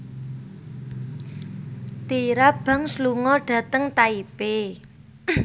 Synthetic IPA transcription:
t̪iɾab̥a̤ŋsluŋɔɖ̥ä̤t̪əŋt̪aipe

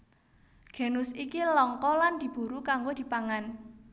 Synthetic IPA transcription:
ɡ̥e̤nʊsikilɔŋkɔland̪̥i̤b̥ṳɾukaŋɡod̪̥i̤paŋan

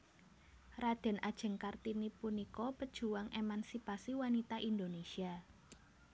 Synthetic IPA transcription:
rad̪̥ɛ̤nʔad̥ʒ̥ə̤ŋkart̪inipunikɔpəd̥ʒ̥ṳwaŋʔemansipasiwanit̪aʔind̪onesia

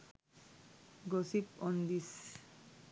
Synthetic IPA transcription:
ɡosipɔnd̪is

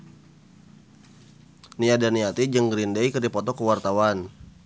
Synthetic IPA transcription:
niadaniat̪id͡ʒəŋɡɾindəikərdipɔt̪ɔkəwart̪awan

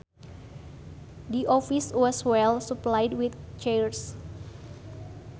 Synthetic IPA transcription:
diʔɔfiswɔswɛlsuplajdwit̪̚t͡ʃɛɹs

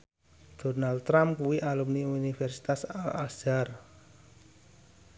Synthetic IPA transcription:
d̪̥o̤nalt̪ːɾamkuwiʔalumniunifɛrsi̥t̪asalasd̥ar

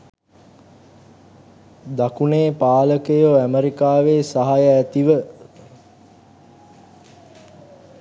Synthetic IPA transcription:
d̪akuneːpaːləkejoæməɾikaːʋeːsaɦajəæt̪iʋə

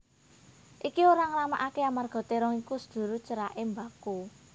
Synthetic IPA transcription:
ʔikioɾaŋəlama̰ʔakeamarɡ̥ɔ̤t̪eɾɔŋikusə̥d̪̥ṳɾu̥t͡ʃəɾaʔembaku

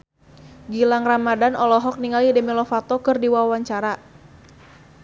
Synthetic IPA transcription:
ɡilaŋramadanɔlɔɦɔk̚niŋalidɛmilɔfat̪ɔkɨrdiwawaɲt͡ʃaɾa

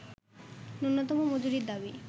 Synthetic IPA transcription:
nunːot̪ɔmomod͡ʒuɾiɾd̪abi

